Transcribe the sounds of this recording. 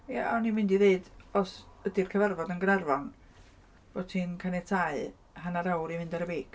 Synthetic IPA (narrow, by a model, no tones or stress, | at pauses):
jaɔnimɪndiðeɨdɔsədirkʰəvarvɔdənɡənarvɔn | bv̥odtʰinkʰanɛtʰaɨ | hanaɾawɾimɪndɔɾəbeːk